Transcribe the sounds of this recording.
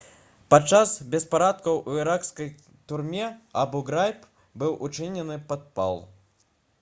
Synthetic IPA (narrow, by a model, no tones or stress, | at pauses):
pat͡ʂasbʲɛspaɾat̪̚kɐwʔuiɾakskɐj | t̪urmʲɛabɔɡɾajp | bɨwʔut͡ʂɨnʲɛnɨpat̪̚pa̰lˠ